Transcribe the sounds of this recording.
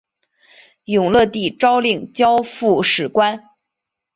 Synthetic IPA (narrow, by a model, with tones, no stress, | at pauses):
jʊ˨˩ŋlɤ˥˧t̪i˥˩ʈ͡ʂɑ˥ʊli˥˩ŋt͡ɕjɑ˥ʊfu˥˩ʂɻ̩˨˩kwa˥n